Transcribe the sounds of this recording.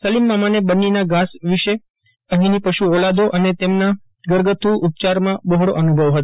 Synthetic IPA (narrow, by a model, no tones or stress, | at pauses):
səlimːãmanebənːinaɡasʋiʃe | əɦĩnipəʃuolad̪oʔənet̪emna | ɡəɾɡət̪ʰuʔːp̚t͡ʃaɾmãbəɦɽoʔənubʱəʋɦət̪o